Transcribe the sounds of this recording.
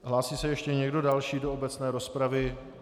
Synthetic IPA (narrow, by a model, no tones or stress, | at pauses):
ɦlaːsiːsɛjɛʃcɛɲɛɡdo̞dalʃiːdoobɛt͡snɛːɾo̞spɾavɪ